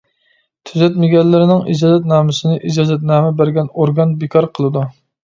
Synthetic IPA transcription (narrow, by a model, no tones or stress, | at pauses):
t̪ʰyzɛt̪mɪɡʲɛllːɪɾɪnɪŋḭd͡ʒɑːzɛt̪̬̚nɑːmɪsɨnɪʔid͡ʒɑːzɛt̪̚nɑːmɪbæɾɡʲɛnoɾɡɑnbikʰɑɾqʰəlˠɨd̪u